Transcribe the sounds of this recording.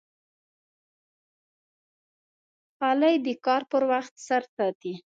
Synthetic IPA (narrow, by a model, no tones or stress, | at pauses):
ɑlajd̪əkɑɾpəɾwaxt̪saɾsɑt̪i